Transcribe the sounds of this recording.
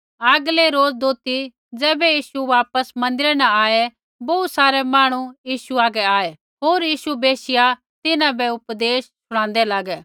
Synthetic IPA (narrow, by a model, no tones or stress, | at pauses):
aɡleɾoːd͡zd̪oːt̪i | d͡zɛːbɛjiːʃuʋaːpəsmɐ̃nd̪ɪɾɛnɛ̃aːe | bousaːɾɛmaːɽ̃ujiːʃuaːɡɛaːe | ɦoːɾjiːʃubeːʃɪja | t̪ɪnãbɛʊpd̪eːssʊɽ̃ãːnd̪ɛlaːɡɛː